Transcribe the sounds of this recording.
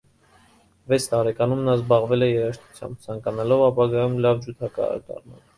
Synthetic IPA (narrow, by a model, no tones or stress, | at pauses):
vɛt͡sʰt̪ɑɾɛkɑnumnɑzbɑʁvɛlɛjɛɾɑʃt̪ʰu̥t͡sʰjɑ̰mb̚t͡sʰɑŋkɑnɑlɔvɑpɑɡɑjumlɑvd͡ʒut̪ʰɑkɑ̰ə̰ɾd̪ɑ̰rmɑ̰n